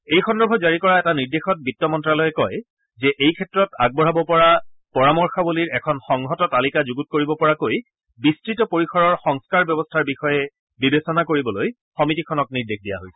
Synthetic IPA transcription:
ejxɔndɔbʱɔzaɹikɔɹaɛtaniɹdexɔt̚bitːɔmɔntɹalɔjɛkɔj | zɛʔejkʰɛtɹɔtaɡ̚bɔɹabɔpɔɹapɔɹamɔɹxabuliɹɛkʰɔnxɔŋɦɔtɔtalikazuɡut̚koɹibɔpɔɹakoj | bistɹitɔpoɹixʰɔɹɔɹxɔŋskaɹbjɔbɔstʰaɹbixɔjɛ | bibesɔnakoɹibɔloj | xɔmitikʰɔnɔk̚niɹdexʰdija̰ɦojsɛ̥

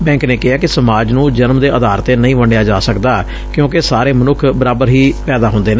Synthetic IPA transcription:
bɛ̃ːŋkneːkɪɦaːkɪsəmaːd͡ʒnũːd͡ʒənmd̪eːʔəd̪aːɾt̪eːnəĩːʋəɳɖejaːd͡ʒaːsəkd̪aː | kjõːkɪsaːɾeːmənʊkʰbəɾaːbəɾɦiːpɛːd̪aːɦʊnd̪eːne

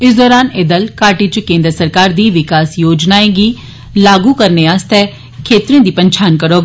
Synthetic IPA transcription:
ɪsd̪ɔːɾaːneːd̪əlkaːʈiːt͡ʃkẽːnd̪ɾəsəɾkaːɾd̪iːʋɪkaːsjoːd͡ʒnaːeːɡiː | laːɡuːkəɾneːaːst̪ɛː | kʰeːt̪ɾiõːd̪iːpəɲt͡ʃʰaːnkəɾoːɡaː

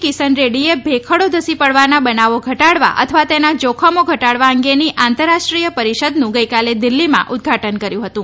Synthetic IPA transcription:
kisənɾeɽiebʱekʰəɽod̪ʱəsipəɽʋanabənaʋoɡʱəʈaɽʋa̰ʔə̰t̪ʰəʋat̪enad͡ʒokʰəmoɡʱəʈaɽʋaəŋɡeniʔant̪əɾːaʃʈɾijəpəɾiʃəd̪nũɡəjkaled̪ɪlːimã̰ʔʊd̪̚ɡʱaʈənkəɾjũɦət̪ũ

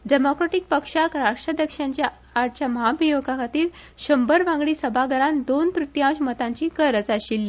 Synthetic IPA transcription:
ɖemokɾeʈik̚pəkʂakɾaʂʈɾəd̪əkʂaɲt͡ɕjaː | ɾʈ̚t͡ɕjaməɦabijoɡakʰat̪iːl | ɕəmbəɾʋãŋɡɽiːsəbʱaɡəɾand̪ont̪ɾut̪jãɕmət̪ãɲt͡ɕiːkəɾət͡saɕiːl

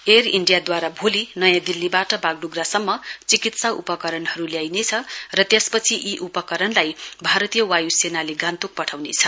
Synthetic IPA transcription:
eriɳɖijad̪waɾabʱolinʌjãd̪ilːibaʈʌbaɡɖuɡrasʌmːʌt͡sikit̪saṵpʌkʌɾʌnɦʌɾuljajnet͡sʰʌrʌt̪jespʌt͡sʰiʔiʔupʌkʌɾʌnlajbʱaɾʌt̪ijʌwajusenaleɡãnt̪uk̚pʌʈʰawnet͡sʰʌ

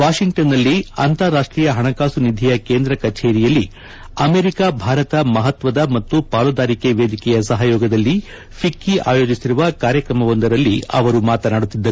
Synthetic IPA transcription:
ʋaːʂiŋʈɐnːɐlːiɐ̰nt̪ɐɾːaːʂʈɾiːjɐɦɐɳɐkaːsunid̪ʱijɐkeːnd̪ɾɐkɐt͡ʃeːɾijɐlːi | ɐmeːɾikabʱaːɾɐt̪ɐmɐɦɐt̪ʋɐd̪ɐmɐt̪ːupaːlɐd̪aːɾikeʋeːd̪ʱikɛjɐsɐɦɐjɔːɡɐd̪ɐlːi | pʰikːiʔa̰ːjo̞ːd͡ʒisiɾuʋɐkaːɾjɐkɾɐmɐʋond̪ɐɾɐlːiɐ̰ʋɐɾumaːt̪ɐnaːɽut̪ːid̪ːɐ

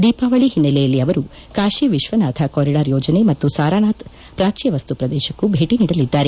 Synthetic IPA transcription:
d̪iːpaːʋɐɭiɦinːɐlɛjɐlːiɐʋɐɾu | kaːʃiʋiʃʋɐnaːd̪ʱʰɐkoːɾiɽaːɾjɔːd͡ʒɐne̞mɐt̪ːusaːɾaːnaːt̪ | pɾaːt͡ʃijɐʋɐst̪upɾɐd̪ɛːʃɐkːubʱeːʈiniːɽɐlid̪ːaːɾe

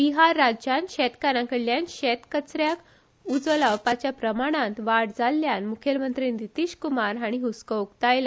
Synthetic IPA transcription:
biɦaɾːad͡ʑjanɕɛt̪kaɾãkəɽljanɕɛt̪kət͡sɾjak | ud͡zʋəlawpat͡ɕjapɾəmaɽ̃ãt̪ʋaɽd͡zalːjanmukʰjəlmənt̪ɾiːnd̪it̪iːɕkumaɾɦaɽ̃iɦuskəukt̪ajla

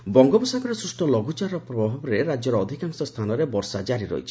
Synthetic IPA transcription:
bɔŋɡɔbɔsakɔɾesɾusʈɔlɔɡut͡ʃaɾɔpɾɔbbʱabɔɾeɾad͡ʒjɔɾɔːd̪ʱikaŋsɔst̪ʰanɔɾebɔɾsad͡ʒaɾiɾɔ̰jt͡ʃʰi̥

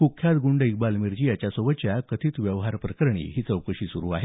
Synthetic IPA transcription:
kukʰjat̪ɡuɳɖik̚balmiɾd͡ʑiːjat͡ɕjasoʋət͡ɕjakət̪ʰiːt̪ʋjəʋɦaɾpɾəkəɾɳ̃ḭːɦiːt͡səwkəɕiːsuɾuːaɦe

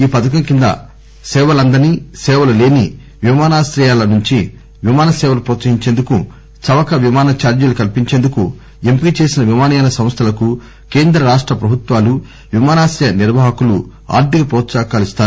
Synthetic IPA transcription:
iːpɐt̪ʰɐkɐŋkind̪ɐ̰ | sɛːʋɐlɐnd̪ɐɾnisɛːʋɐlɐle̞ːni | ʋimaːnaːsɾɐjaːlɐnuɲt͡ʃi | ʋimaːnɐsɛːʋɐlɐpɾɔːt̪sɐɦiɲt͡ʃeːnd̪uku | sɐʋɐkɐʋimaːnɐt͡ʃaːɾd͡ʒɐlukɐlpiɲt͡ʃeːnd̪uku | empiit͡ʃe̞ːsinɐʋimaːnɐjnɐsɐ̃mst̪ʰɐlɐku | ke̞ːnd̪ɾɐɾaːʂʈɾɐpɾɐbʱut̪ʋaːlu | ʋimaːnaːsɐjɐniɾʋaːɦɐkulṵ | a̰ːɾd̪iɡɐpɾɔːt̪saːkaːlist̪aːɾu

